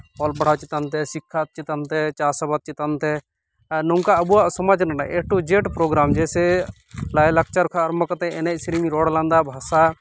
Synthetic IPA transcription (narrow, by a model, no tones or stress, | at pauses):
ɔlbɐɽ̤at͡ʃɪt̪ənt̪ɛsikʰːat̪̚t͡ʃit̪ənt̪ɛt͡ʃaːsəbat̪̚t͡ʃɪt̪ant̪ɛ | nɔŋkaɐbuasɐməd͡ʒnəna̰ʔek̚ʈud͡ʒeʈpɾoːɡɾaːmd͡ʒɛse | lajlək̚ʰt͡ʃaɾkʰaɐɾməkət̪ɛ̃ɛnesɾimiɾɔːɽlãnd̪abʱaːsa